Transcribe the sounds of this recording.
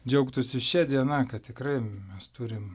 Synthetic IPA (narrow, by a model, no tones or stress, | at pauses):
d͡ʒʲɛʊkt̪ʊsʲɪʃʲɛːd̪ʲiɛnɑːkɐtt̪ʲɪkɾɐɪmʲɛst̪uːɾʲɪm